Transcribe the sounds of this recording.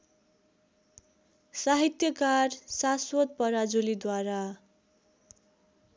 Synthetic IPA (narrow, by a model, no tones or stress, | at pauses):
saɦit̪jʌkarsaswʌt̪̚pʌɾad͡zulid̪waɾa